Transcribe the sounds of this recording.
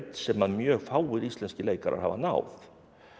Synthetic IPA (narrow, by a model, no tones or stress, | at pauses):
t̪sɛmːanmjœːɣfaːwʏɾist̪lɛnscɪleːjkaɾʔa̰ɾ̥ha̰va̰na̰ːwθ